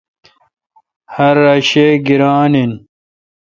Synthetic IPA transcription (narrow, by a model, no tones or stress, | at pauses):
hɐɾːaɕeɡiɾaːnin